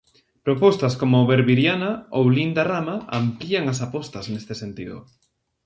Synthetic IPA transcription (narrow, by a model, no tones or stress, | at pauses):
pɾopɔst̪askomʊβeɾβiɾjanaowlind̪aramaampliaŋasapɔst̪ɐsnest̪esent̪iðʊ̰